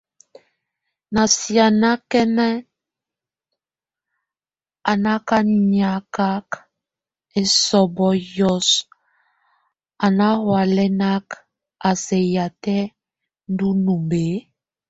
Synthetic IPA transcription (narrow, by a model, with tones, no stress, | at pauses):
na˨sja˨na˦kɛ˦nɛ˦ | a˨na˦ka˦ɲa˨ka˦k | e˨sɔ˨bɔ˨jɔ˦s | a˨na˦hwa˨lɛ˦na˦k | a˨sɛ˨ja˨tɛ˦ | n̩˦du˦nu˨mbe˨˦